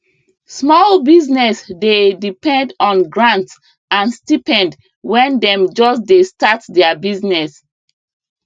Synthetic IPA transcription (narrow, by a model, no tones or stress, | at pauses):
smɔlbiznɛsdedipɛ̃ndɔ̃nɡɹãnts | ãnstipɛ̃nd | wɛ̃ndɛ̃md͡ʒɔsdestatdɛabiznɛs